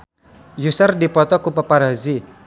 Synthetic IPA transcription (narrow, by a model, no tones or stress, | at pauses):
jusərdipɔt̪ɔkupəparɦazi